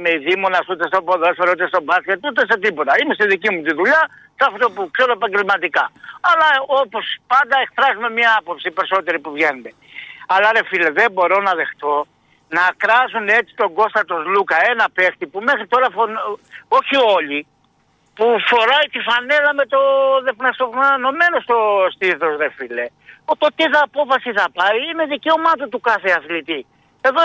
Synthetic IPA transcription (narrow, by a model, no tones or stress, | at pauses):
meiðimonɐsut̪est̪oboðosfeɾut̪est̪o̞bɐsceɾt̪ut̪eset̪ipo̞t̪ɐimest̪iðicimut̪̬iðuʎɐ | sɐft̪o̞pukseɾoepɐɲɟe̞lmɐt̪ikɐɐlɐo̞po̞spɐnd̪ɐe̞kfɾɐzume̞mɲɐɐpo̞psipe̞ɾiso̞t̪e̞ɾipuvʝenume̞ɐlɐɾe̞fileðebo̞ɾo̞nɐðe̞xt̪o̞ | nɐkɾɐzune̞t͡si̥t̪o̞ŋɡo̞st̪ɐt̪o̞zlukɐe̞nɐpe̞kt̪ipume̞xɾit̪o̞ɾɐfono̞çio̞li | pufo̞ɾɐit̪ifɐne̞lɐme̞t̪o̞ðe̞fnɐsopnɐno̞me̞no̞st̪o̞st̪iθo̞sɾe̞file̞ot̪ot̪iθɐːpo̞fɐsiθɐpɐiine̞ðice̞o̞mɐt̪ot̪ukɐθeɐθlit̪i | e̞ðo